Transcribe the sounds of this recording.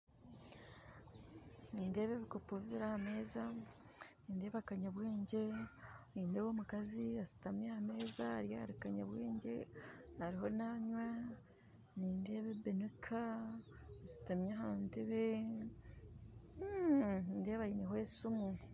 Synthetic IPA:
niːnde̞ːβe̞βikopuβiβiɾahame̞ːza | niːnde̞ːβakaɲaβweːɲɟe̞niːndeβomukaziasi̥tamjahame̞ːzaɾjaaɾikaɲa̰βweːɲɟe̞haɾiɦo̞naɲwa | niːnde̞ːβebenukʰa | asi̥tamjaɦaːnteβe | inde̞ːβajiniɦoesumu

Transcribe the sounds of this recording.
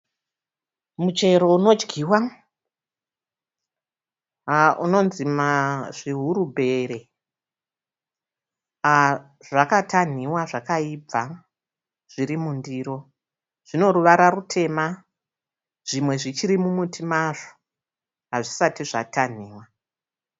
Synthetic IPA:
mut͡ʃe̞ɾo̞uno̞d͡ʒɡʱiːwa | ʔuno̞nzimaʐiɦuɾubʱe̞ɾe̞ | a | ʐakatʰan̤iwaʐakaib͡va | ʐ̥iɾimundiːɾo̞ | ʐ̥ino̞ɾuʋaɾarutʰe̞ma | ʐ̥imwe̞ʐit͡ʃiɾimumutʰimaʐo̥ | ɦaʐisatiʐatʰan̤iːwa

